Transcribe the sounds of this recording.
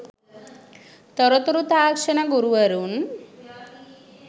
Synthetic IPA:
t̪ɔɾɔt̪ɔɾut̪aːkʂɐnaɡuɾuʋɐɾun

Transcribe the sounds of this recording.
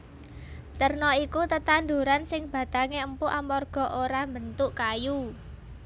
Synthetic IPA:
t̪ərnɔikut̪ət̪and̪uɾansɪŋb̥a̤t̪aŋeəmpuʔamɔrɡ̥ɔ̤ʔoɾambənt̪ʊʔkaju

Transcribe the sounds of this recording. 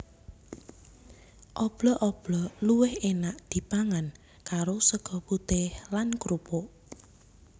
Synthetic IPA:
ʔɔb̥lɔʔɔb̥lɔluwɪhenaʔd̪̥i̤paŋan | kaɾosəɡ̥ɔ̤put̪ɪhlankɾupoʔ

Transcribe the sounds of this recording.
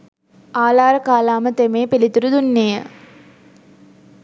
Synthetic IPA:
aːlaːɾəkaːlaːmət̪emeːpilit̪uɾud̪unːejə

